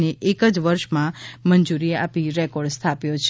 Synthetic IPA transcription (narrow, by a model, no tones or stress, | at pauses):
neʔekəd͡ʒʋəɾʃmãmənd͡ʒuɾieapiɾɛkɔɾɖst̪ʰapjot͡ʃʰ